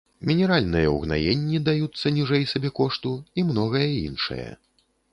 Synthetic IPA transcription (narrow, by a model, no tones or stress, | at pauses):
mʲinʲɛɾalʲnɨjɐṵɣna̰jenʲːid̪ajut̪sːɐnʲiʐɛjsabʲɛkɔʂt̪uimnɔɣɐjɐḭnʂɐ̰jɐ̰